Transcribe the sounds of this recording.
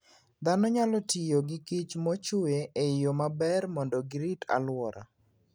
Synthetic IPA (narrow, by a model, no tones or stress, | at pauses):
d̪anɔɲalɔtijoɡɪkɪt͡ʃmɔt͡ʃʊeeɪjomabɛrmɔndɔɡɾita̰lwɔɾa̰